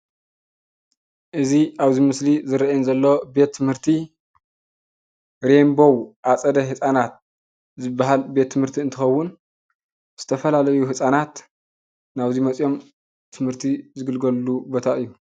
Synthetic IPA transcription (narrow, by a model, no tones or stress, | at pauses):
ʔɨziʔaβzimɨslizɨɾɐʔinzɐlːo̞be̞t̪ʰːɨmhɨɾt̪ʰi | ɾembo̞wʔat͡sʼɐd̪ɐhɨsʼanat̪̚ | zɨbːaɦalbe̞t̪ʰːɨmhɨɾt̪ʰiɨnt̪ʰɨxɐwːʊn | z̥ɨt̪ʰɐfɐlalɐjuɦɨsʼanat̪ | naβzimɐt͡sʼjo̞m | t̪ʰɨmhɨɾt̪ʰizɨɡɨlɡɐlːubo̞t̪ʰaɨjːu